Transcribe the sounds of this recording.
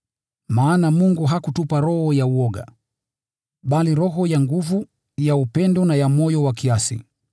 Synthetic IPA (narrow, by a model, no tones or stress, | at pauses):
maːnamuŋɡuɦakutupaɾɔhɔjauɔɡa̰ | ɓaliɾɔɦɔjaŋɡuvu | jaupɛndɔnajamɔjɔwakiasḭ